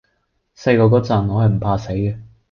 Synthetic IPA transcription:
se˧jkɔː˧kɔː˨˥t͡sɐ˨˩nŋɔː˨˧hɐ˨jm̩˨˩pʰaː˧se˨˥jkɛ˧

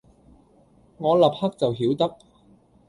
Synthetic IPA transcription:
ŋɔː˨˧lɐ˨p̚hɐ˥k̚t͡sɐ˨wɦiː˨˥wt̪ɐ˥k̚

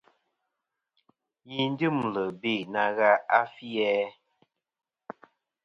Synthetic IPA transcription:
ji˦n̩˦dɨ˦m˨lə˨be˦˨na˨ɣa˦a˦fi˦ɛ˦

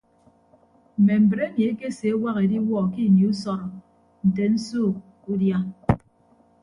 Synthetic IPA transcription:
m̩˨me˨m̩˨bɾe˦ni˨e˦ke˦se˨e˦wa˦ɣe˨di˦wɔː˦˨ki˦˨ni˨u˦sɔ˦ɾɔ˨ | n̩˨te˨n̩˦soː˦˨ | u˦dja˦

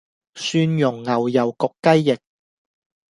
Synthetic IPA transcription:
syː˧njʊ˨˩ŋːɐ˨˩wjɐ˨˩wkʊ˨kːɐ˥jːɪ˨k̚

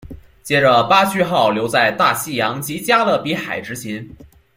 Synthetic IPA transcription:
t͡ɕjɛ˥ʈ͡ʂə˧pa˥t͡ɕʰy˥˧xɑ˥˩ʊljo˧˥ʊt͡sa˥˧ɪt̪a˥˩ɕi˥˩jɑ˧˥ŋt͡ɕi˧˥t͡ɕja˥d̪ə˨pi˧˥xa̰˨˩ɪʈ͡ʂɻ̩˥t͡ɕʰi˧˥n

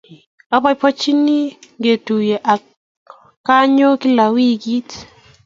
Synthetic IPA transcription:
a˦ba˦jpɔ˦t͡ʃi˦ni˦ŋɡe˨tu˨jɛ˨ʔa˨ | ka˦ɲo˦ki˦la˨wi˦ɡi˦t

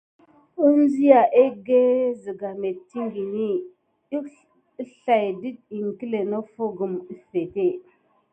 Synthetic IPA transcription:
u˦n˦zi˦ja˨ʔe˦ɡe˦zə˨ɡa˨me˨tːi˦ŋɡi˨ni˦ | i˦ | ɬa˨jdi˦d̚i˨ŋ˨ki˦le˨no˦fo˦ɡu˨mi˦fe˨te˦˨

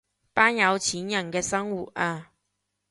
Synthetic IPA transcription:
paː˥njɐ˨˧wt͡ɕʰiː˨˥njɐ˨˩nkɛː˧sɐ˥ŋwu˨˩t̚ʔaː˧

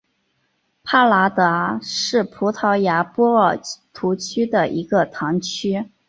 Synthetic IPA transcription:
pʰa˥˩la˧˥t̪ɤ˧˥ʂɻ̩˥˩pʰu˧˥t̪ʰɑ˧˥ʊja˧˥pwɔ˥ə˞˥˨˩t̪ʰu˧˥t͡ɕʰy˥d̪ə˨ʔi˧˥ɡə˧t̪ʰɑ˧˥ŋt͡ɕʰy˥

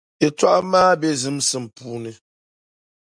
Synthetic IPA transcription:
e˨twa˦ʔmaː˦bɛ˦zɨ˨˦msɨ˦m̩˨puː˦nɨ˨

